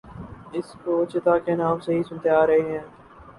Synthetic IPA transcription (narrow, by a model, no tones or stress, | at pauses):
ɪskoːt͡ʃɪt̪aːkenaːmseɦisʊnt̪eaːɾɐɦeːɦɛ̃ː